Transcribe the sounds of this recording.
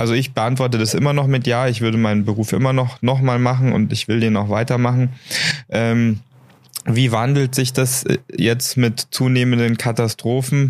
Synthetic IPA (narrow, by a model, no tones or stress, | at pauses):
ʔalzoɪçb̥əʔantv̥ɔɐtədasʔɪmɐnɔχmɪtjaːɪçv̥ʏɐdəmaɪnənbəʁuːfʔɪ̰mɐnɔχnɔχmaːlmaχn̩ʊ̰ntɪçv̥ɪldeːnaʊxv̥aɪtɐmaχn̩ʔɛːm | viːvandl̩tz̥ɪçd̥asjɛt͡stmɪtt͡suːneːməndənkʰatastʁ̥oːfn̩